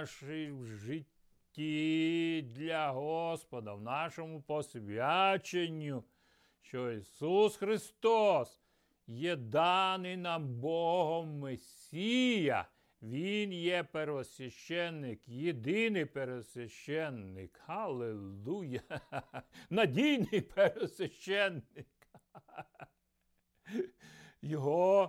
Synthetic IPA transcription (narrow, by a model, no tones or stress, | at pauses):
ʃɪjwʒɪtʲː | i | d̪ʲlʲɐɦɔspɔd̪ɐwnɑʃɔmʊpɔsʲʋʲat͡ʃenʲːu | ʃt͡ʃɔisusxɾɪst̪ɔs | jɛd̪ɑnɪnɑmbɔɦɔmːesʲijɐ̰ | ʋʲinjɛpeɾʋɔsʲʋʲɐʃt͡ʃɛnːɪkjid̪ɪnɪjpeɾɔsʲʋʲɐʃt͡ʃɛnːɪ̰khɐlˠelˠujɐ | nɐdʲijnɪjpʰeɾɔsʲʋʲɐʃt͡ʃɛnːɪk | jɔɦɔ